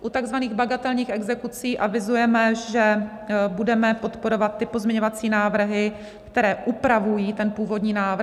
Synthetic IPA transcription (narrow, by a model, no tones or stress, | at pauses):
ʔut̪aɡzvaniːɣbaɡat̪ɛlɲiːxɛɡzɛkut͡siːʔavɪzujɛmɛʒɛ | budɛmɛpo̞t̪po̞ɾo̞vat̪ːɪpozmɲɛɲovat͡siːnaːvɾ̩ɦɪ | kt̪ɛɾɛːʔupɾavujiːt̪ɛnpuːvo̞dɲiːnaːvɾ